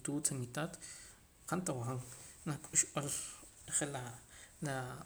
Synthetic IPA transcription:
t̪uːt͡sanit̪at̪ | qant̪awaaŋnakʼuʃʔol | χelala

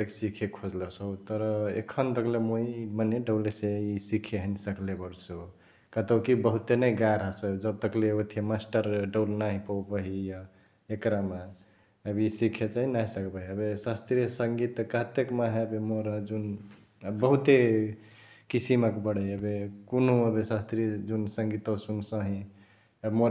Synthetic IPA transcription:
t̪əksikʰekʰod͡ʒləsəut̪əɾəḛkʰənd̪əklemoiməneɖəleseisikʰeɦənsəklebəɽso | kət̪əwkibəɦut̪enəjɡaɾɦəsəd͡ʒəb̚t̪əkleot̪ʰiemasʈəɾɖəwlnaɦipəwbəɦija | ekɾama | əbisikʰet͡ʃaɦinaɦisəkbəɦiəbesast̪ɾijəsəŋɡit̪kəɦt̪ekmaɦebemoɾad͡ʒun | bəɦut̪e | kisiməkbəɽeəbekonoəbesast̪ɾijəd͡ʒunsəŋɡit̪əsunsə̃ɦĩ | əbmoɾ

